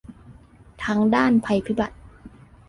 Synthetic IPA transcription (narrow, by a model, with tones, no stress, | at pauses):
t̪ʰa˦˥ŋdaː˥˩npʰa˧jpʰi˦˥ba˨˩t̪̚